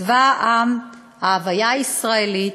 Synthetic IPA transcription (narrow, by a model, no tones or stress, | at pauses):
vaʔam | aːvajaisʁaeli